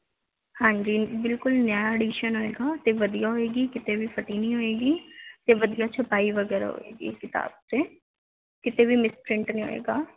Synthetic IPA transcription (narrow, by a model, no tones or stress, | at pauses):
hãːɲd͡ʒiːbɪlkʊlnjaːjaɛɖiːʃənɦoːeːɡaːt̪eːʋəd̪ijaːɦoeːɡiːkɪt̪eːʋiːpʰəʈiːnĩːɦoːeːɡiːt̪eːʋəd̪ijaːt͡ʃʰəpaːiʋəɡɛːɾa̰ɦo̰ḛːɡḭːkɪt̪a̰ːb̚t̪eː | kɪt̪eːʋiːmɪspɾɪɳʈnĩːo̰ːḛːɡaː